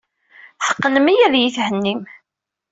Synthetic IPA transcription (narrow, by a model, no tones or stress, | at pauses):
ħə̥qːənəmijæðjiθhənːim